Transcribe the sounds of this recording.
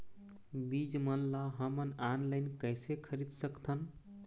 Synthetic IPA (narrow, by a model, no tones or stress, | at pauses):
bid͡ʒmənlaɦəmənanlaɪnkəjsekʰəɾid̪səkt̪ʰən